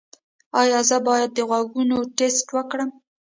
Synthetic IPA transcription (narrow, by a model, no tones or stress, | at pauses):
ɑjɑzəbɑjad̪̚ːəɣwaɡunoʈesʈwəkɽəm